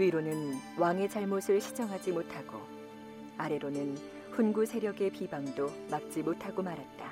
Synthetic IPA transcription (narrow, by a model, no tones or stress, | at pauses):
uiɾonɯnwaŋe̞d͡ʑaɭmosʰɯɭɕʰi̥d͡ʑʌŋɦad͡ʑimotʰaɡ̥o̰ | aɾe̞ɾonɯn | ɸunɡusʰe̞ɾjʌɡe̞pibaŋdo | mak̚t͡ɕ͈imotʰaɡomaɾɦat̚t͈a